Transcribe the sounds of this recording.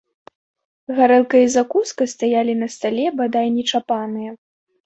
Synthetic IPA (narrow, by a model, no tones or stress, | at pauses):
ɣaɾɛlˠkɐjɐzakuskɐst̪ajalʲinɐst̪alʲɛbad̪ajnʲɛt͡ʂapanɨjɐ